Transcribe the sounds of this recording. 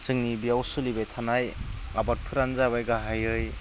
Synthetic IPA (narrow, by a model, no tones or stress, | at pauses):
sɯŋnibijawsulibejtʰanaj | abat̚pʰɯɾanzaβajɡaɦajɯj